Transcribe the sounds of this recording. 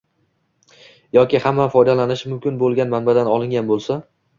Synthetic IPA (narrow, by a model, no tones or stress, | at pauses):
jɒkʲɪhamːafɒjd̪alanɪʃmʊmkʲɪnbolˠɡʲanmanbad̪anɒlˠɪŋɡʲanbolˠsa